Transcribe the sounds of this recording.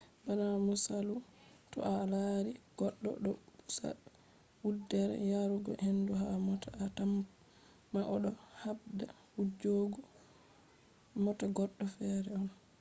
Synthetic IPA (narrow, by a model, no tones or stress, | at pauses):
banamusalutɔ̰ʔalaɾiɡ̥ɔɗɔ̰ɗɔusa̰ | wudɛɾɛ̰jaɾuɡɔ̰henduɦamɔtaatam | maʔɔɗɔhabda | wud͡ʒoɡɔ | mɔtaɡɔɗːɔfɛːɾɛɔn